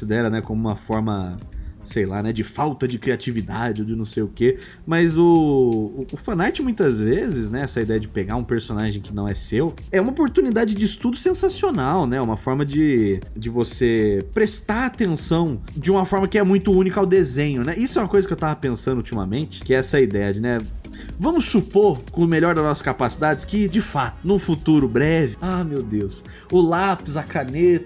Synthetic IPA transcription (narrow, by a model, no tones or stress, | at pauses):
sid̪ɛɾɐnɛkõmʊũmɐfɔɾmɐsejla̰nɛd͡ʒɪfawt̪ɐd͡ʒɪkɾiat͡ʃivid̪ad͡ʒɪod͡ʒɪnɐ̃w̃sejʊke | mɐzʊː | fɐ̃naɾt͡ʃɪmũj̃t̪ɐzvezɪznɛɛsɐid̪ɛjɐd͡ʒɪpeɡaɾũpeɾsonaʒẽj̃kɪnɐ̃w̃ɛsew | ɛũmɐopoɾt̪unid̪aɪd͡ʒɪd͡ʒɪist̪ud̪ʊsẽsasionawnɛũmɐfɔɾmɐd͡ʒɪd͡ʒɪvosepɾest̪aɾat̪ẽsɐ̃w̃d͡ʒɪũmɐfɔɾmɐkɪɛmũj̃t̪ʊũnikɐawd̪ezẽɲʊnɛisʊɛũmɐkojzɐkɪewt̪avɐpẽsɐ̃nd̪ʊut͡ʃimɐ̰mẽnt͡ʃɪ̥kɪɛɛsɐid̪ɛjɐd͡ʒɪnɛ | vɐ̃mʊsːupoɾkõmeʎɔɾd̪ɐznɔsɐ̥skapasid̪ad͡ʒɪskɪd͡ʒɪfat̪ʊnũfut̪uɾʊbɾɛvɪamewd̪ews | ʊlapɪzɐkanet̪ɐ